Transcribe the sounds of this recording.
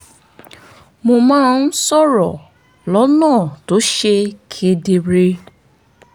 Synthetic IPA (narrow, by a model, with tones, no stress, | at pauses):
mo˧mãː˦n̩˦sɔ˦˨ɾɔ˨ | lɔ˨˦nãː˦˨to˨˦ʃe˧kʰe˧de˧ɾe˧